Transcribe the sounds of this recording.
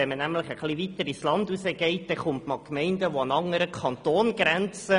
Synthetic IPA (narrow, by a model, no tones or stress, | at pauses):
ɛmənæmləχəχliʋit̪əɾislɑndusəɡ̥ɛɪt̚d̥ɛχʊntmɑlkmɛɪndəʋoɑnɑŋːəɾəkʰɑnt̪oːnɡɾɛnt͡sə